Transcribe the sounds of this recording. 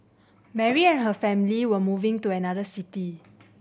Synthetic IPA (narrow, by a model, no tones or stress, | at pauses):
mɛɹiɛ̃nɦəfɛ̃miliwəmuvɪ̃ŋtuɛnadəsiti